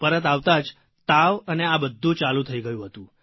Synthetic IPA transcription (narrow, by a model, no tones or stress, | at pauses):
pəɾət̪aʋt̪ad͡ʒ | t̪aʋəneabəd̪ʱːũt͡ʃalũt̪ʰəiɡəjũɦət̪ũ